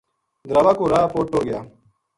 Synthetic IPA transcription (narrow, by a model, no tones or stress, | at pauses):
d̪ɾaʋaːkoːɾaːpoːʈːoːɡɪjaː